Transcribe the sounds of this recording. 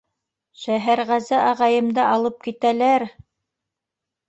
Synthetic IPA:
ʃæɦæɾʁæzæʔɑʁɑjɤ̆md̪ɑʔɑlˠɤp̚kit̪ælæɾ

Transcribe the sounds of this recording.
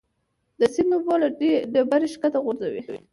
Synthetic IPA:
d̪əsinobɑlaɖebaɾeʃkat̪aɣʊɾzawḭwḭ

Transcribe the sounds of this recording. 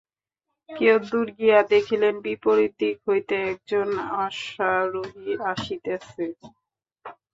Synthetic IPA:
kewd̪uɾɡijad̪ekʰilenbipoɾid̪ikɦojt̪eɛk̚d͡ʑonaʃaɾoɦiaʃit̪ease

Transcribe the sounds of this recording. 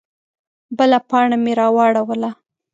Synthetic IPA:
bəlapɑɳameɾɑwɑɽawəla

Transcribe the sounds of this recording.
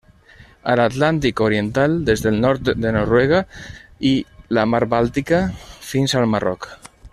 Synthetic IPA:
alat̪lant̪̬ikoɾient̪alˠd̪ezðelˠnɔɾt̪d̪enoɾweɣ̞ailamaɾbalˠt̪ikafinzalmarɔ̰k

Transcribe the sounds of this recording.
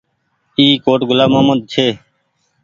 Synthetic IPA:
iːkoːʈɡʊlaːməːməd̪̚t͡ʃʰeː

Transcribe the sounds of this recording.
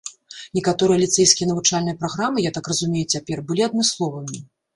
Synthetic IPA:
nʲɛkat̪ɔɾɨjɐlʲit̪sɛjskʲijɐnɐvut͡ʂalʲnɨjɐpɾaɣɾamɨjat̪akrɐzumʲejut͡sʲapʲɛrbɨlʲiɐd̪̚mɨslˠɔvɨmʲi

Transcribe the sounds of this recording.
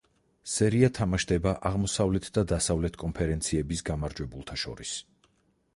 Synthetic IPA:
sɛɾiat̪ʰamaʃd̪ɛbaʔaʁmɔsavlɛt̪ʰd̪ad̪asavlɛt̪ʰkʼɔnpʰɛɾɛnt̪sʰiɛbisɡamaɾd͡ʒwɛbulˠt̪ʰaʃɔ̰ɾis

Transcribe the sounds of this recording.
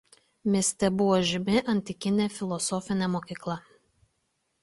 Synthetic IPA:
mʲɪsʲt̪ʲɛbʊʋɔʒʲɪmʲɪʔɐnʲt̪ʲɪkʲɪnʲefʲɪlˠɔsɔfʲɪnʲɛmoːkʲiːklˠɐ

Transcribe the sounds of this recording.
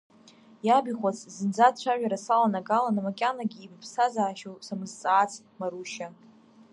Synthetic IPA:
jabiχʷat͡sʰʼzɨnd͡zat͡ɕʷʰaʒᶣaɾasalanaɡalanamakʲʼanaɡʲiːbpʰsazaːʃosamɨzt͡sʼaːt͡sʰʼ | maɾuʃa

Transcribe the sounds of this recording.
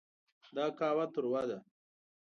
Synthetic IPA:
d̪aːkaːwat̪ʊɾwad̪a

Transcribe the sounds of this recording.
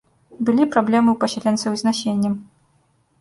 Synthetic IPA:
bɨlʲipɾablʲɛmɨwpɐsʲɛlʲɛnt̪sɐwzʲnaɕʲenʲːɐm

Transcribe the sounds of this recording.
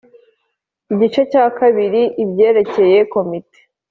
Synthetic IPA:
iɟit͡ʃe̞caːkaβiɾiʔibɟe̞ːɾe̞ce̞je̞ko̞mite̥

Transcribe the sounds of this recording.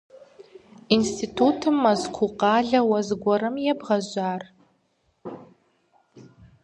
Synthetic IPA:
instʰitʰutʰɨmːɐzkʷʰuqɑːɮɐwɐzɡʷɔɾɨmjɛbʁɐʑʷaːr

